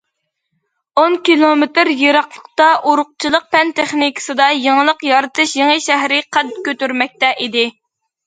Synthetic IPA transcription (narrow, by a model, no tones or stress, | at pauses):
onkʲilˠomet̪ɾjeɾɑqlˠə̥qt̪ɑʔuɾʊq̚t͡ʃʰilˠəq̚pɛnt̪ʰeχnikʰɨ̥sɨd̪ɑjeŋəlˠəqjɑɾɨt̪ɨʃjeŋəʃæɦɾɪqʰæt̪̚kʲøt̪yɾmɛk̚ʲt̪ɛʔid̪ɪ